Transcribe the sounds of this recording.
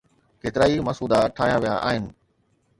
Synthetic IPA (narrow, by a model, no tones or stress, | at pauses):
keːt̪ɪɾaːimɐsuːd̪aʈʰaːɦjaʋijaʔa̰ːɦɪnɪ̆